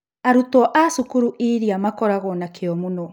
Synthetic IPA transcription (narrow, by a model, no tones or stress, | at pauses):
aɾutɔʔasukuɾuʔiɾiamakɔɾaɣɔnakʰeɔmunɔ